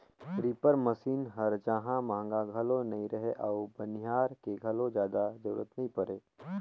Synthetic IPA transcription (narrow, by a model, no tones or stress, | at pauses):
tɾiːpəɾmɐsiːnɦɐɾd͡ʒãːɦãmãːŋɡaɡʱɐlõnɐɦĩɾɐɦeʔɔːbɐnɪjaːɾkeɡʱɐlõd͡ʒjaːd̪ad͡ʒɐɾṵːɾət̪nɐɦĩpɐɾeː